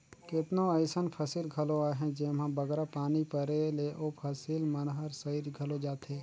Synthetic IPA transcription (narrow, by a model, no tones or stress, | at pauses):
kɪt̪noəɪsənpʰəsilɡʱɐloaːɦɛ̃d͡ʒemãbəɡɾapaːnipəɾeleʔoːpʰəsilmənɦəɾsəiɾɡʱɐlod͡ʒaːt̪eː